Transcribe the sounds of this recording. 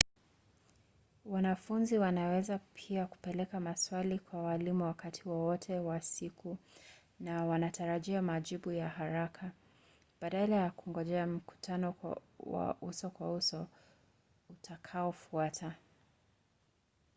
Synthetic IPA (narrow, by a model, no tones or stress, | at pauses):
wanafunziwanawɛzapʰiaku̥pɛlɛkamaswalikwawalimuwakatʰiwɔwɔtʰɛwasiku | nawanatʰaɾaʄiamaʄiɓujaɦaɾakʰa | b̥aɗalajakuŋɡɔʄɛam̩ku̥tʰanɔ̰wa̰usɔkwausɔ | utʰakʰaɔfuatʰa